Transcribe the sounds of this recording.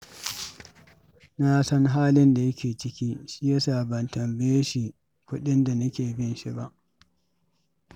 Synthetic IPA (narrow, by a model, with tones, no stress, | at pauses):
na˦sɐ˦ŋɦaː˦lɪ˦nda˨jɐ˦kʲʰeː˨t͡ʃɪ˦kʲiː˦ʃi˦ja˦saː˨bɐ˨ntɐ˨mbɪ˦je˦ʃi˨ | kʷʊ˦ɗɪ˦nda˨nɐ˦kʲeː˨bɪ˦nʃi˦ba˦ʔ